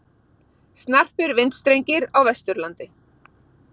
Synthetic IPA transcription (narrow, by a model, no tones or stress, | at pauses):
st̪nar̥pɪɾvɪnt̪st̪ɾejɲcɪɾawvɛst̪ʏɾlant̪ɪ